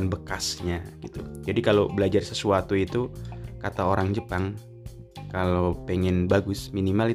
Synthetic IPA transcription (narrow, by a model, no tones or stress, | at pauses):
nbəkasɲaɡ̥it̪ud͡ʒadikalobəlad͡ʒarsəsuat̪uit̪ukat̪aoɾaŋd͡ʒəpaŋ | kalopɛŋɛnbaɡʊsminimali